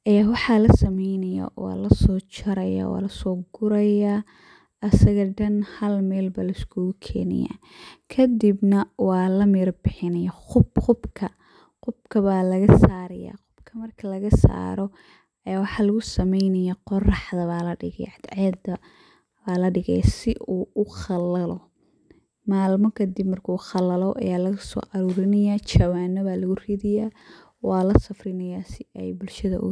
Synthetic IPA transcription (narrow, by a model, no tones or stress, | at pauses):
ʔɐjaːwɑħɑlɐsɐmɛjnɐjɐ̰ʔɔ̰lɐsɔːt͡ʃʰɐɾɐja̰wɔ̰ːlɐsɔːɡʊɾɐja | ɐsɐɣɐɖɐnhɐlmɛːlbalɐɪskʰʊɣkʰɛ̰ːnɪ̰ja̰ː | kʰɐd̪ibnɐwɑːlɐmirbɪħɪnɐjɐχʊbχʊbkʰɐ | qʊbkʰɐβalɐɣɐsaːɾɐja̰ːqʊb̥kʰɐmɐrkʰɐlɐɣɐsa̰ːɾɔ | ɛwɑħɑːlɐɣʊsɐmɛjnɐjaqɔrɑħd̪ɐβaːlɐɖɪɣɛ̰jʕɑd̪ʕɛd̪ɐ | baːlɐɖɪɣɛ̰jsɪʔuːʊχɑlɐlɔ | maːlmɔkʰɐd̪ɪbmɐrkʰuːχɑlɐlɔʔɐ̰jaːlɐɣʊsɔ̰ːʔɐɾuːɾɪnɐjaːt͡ʃɐwaːnːɔβaːlɐɣʊriːðɪjaː | wɑːlɐsɐfrɪnɐjaːsɪɛjbʊlʃɐðɐ̰ʔʊ̰